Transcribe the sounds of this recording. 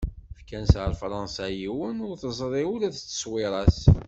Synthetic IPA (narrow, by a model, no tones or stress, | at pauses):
fkænsʕəlfɾˤɑnsæjiwənʊɾθəzˤɾˤiʊlæðt͡sːə̥swɪɾˤɑs